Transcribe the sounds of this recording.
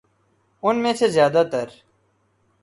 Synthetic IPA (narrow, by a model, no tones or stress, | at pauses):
ʊnmẽsezjaːd̪at̪əɾ